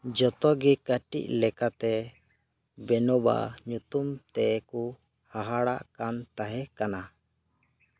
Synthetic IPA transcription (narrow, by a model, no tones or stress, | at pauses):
d͡ʒɔt̪ɔɡikəʈḭʔ̚lɛkat̪ɛ | bɛnɔba̰ɲut̪umt̪ɛʔku | haɦaɽaʔkant̪aɦɛkana